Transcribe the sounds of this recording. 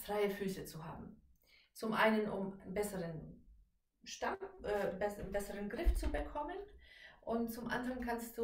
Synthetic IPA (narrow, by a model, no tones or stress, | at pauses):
fʁ̥aɪəfyːsət͡suɦa̰ːbm̩ | t͡sʊmʔa̰ɪnənʔʊmnbɛsəʁən | ʃtamʔɛːbɛsbɛsəʁənɡʁɪft͡subəkʰɔmənʔʊntt͡sʊmʔa̰ndəʁənkʰanst̚d̥uː